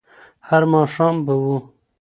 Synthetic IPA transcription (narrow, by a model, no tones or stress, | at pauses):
haɾmɑːʂɑːmbawu